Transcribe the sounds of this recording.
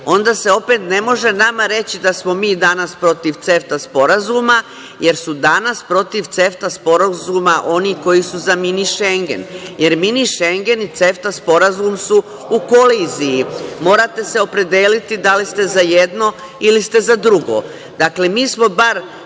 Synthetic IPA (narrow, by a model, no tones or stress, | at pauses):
o̞nd̪aːse̞o̞pet̪ne̞mo̞ʒe̞namaɾe̞t͡ɕid̪asmo̞miːd̪anaspɾo̞t̪iʋt̪se̞ft̪aspo̞ɾazuma | je̞ɾsud̪anaspɾo̞t̪iʋt̪se̞ft̪aspo̞ɾazuːmaʔo̞niko̞jisuzaminiʃe̞ŋɡe̞̰nje̞ɾminiʃe̞ŋɡe̞nit̪se̞ft̪aspo̞ɾazumsu | uko̞liːzijimo̞ːɾat̪e̞se̞o̞pɾe̞d̪eːlit̪id̪alist̪e̞zaje̞d̪no̞ | ilist̪e̞zad̪ɾuɡo̞̰ | d̪akle̞miːsmo̞baɾ